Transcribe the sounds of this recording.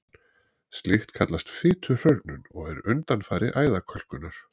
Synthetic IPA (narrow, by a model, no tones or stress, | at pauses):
st̪lɪxt̪kʰat̪last̪fɪːt̪ʰʏr̥œɾt̪nʏnɔɣɛɾʏnt̪anfaːɾɪ̰ʔaːjðakʰœl̥kʏnaɾ̥